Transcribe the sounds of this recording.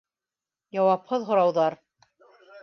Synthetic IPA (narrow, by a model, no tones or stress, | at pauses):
jɑwɑphɤðɦŏɾɑwðɑɾ